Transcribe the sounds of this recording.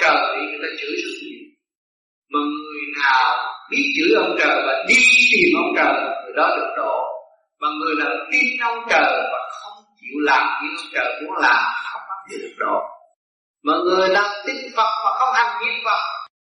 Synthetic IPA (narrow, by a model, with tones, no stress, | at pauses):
əː˨˩ɗi˧ɨ˨˩ɗa˧˦t͡ɕɨ̰˧˥zɨ˧˩ḭ˨˧˨ | maː˨˩ŋɨ˨˩əjnaː˨˩wɓi˧˥t͡ɕɨ̰˧˥ʔə˧wŋ͡mt͡ɕəː˨˩vaː˨˩ɗi˧t̪i˨˩mʔə˧˦wŋ͡mt͡ɕəː˨˩t̪ʰi˨˩ɗɔ˨˦ɗɨ˨˧˩ək̚ɗo̰˧˨ | maː˨˩ŋɨ˨˩əjnaː˨˩wt̪i˧nʔə˧wŋ͡mt͡ɕəː˨˩vaː˨˩xə˧wŋ͡mt͡ɕḭ˧˩˨wlaː˨˩mt̪i˧˦ʔə˧wŋ͡mt͡ɕəː˨˩mṵ˨˧˥əŋlaː˨˩m˨˩xə˧wŋ͡mʔaː˧˦˥n̚ɗ̪ḭ˨˧˨ɗɨ˨˩k̚ɗo̰˧˨ | maː˨˩ŋɨ˨˩əjlaː˨˩mt̪ï˨˧˥ŋ̚və˨˩ŋ͡m̚vaː˨˩kɔ˨˦ʔa˧ŋɲi˧˥əmva˧˩w